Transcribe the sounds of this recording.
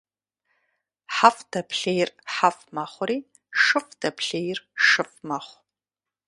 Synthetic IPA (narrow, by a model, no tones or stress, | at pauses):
ħaftʰapʰɬejrħafmaχʷriː | ʂɨfdʰapʰɬejrʂɨfmaχʷ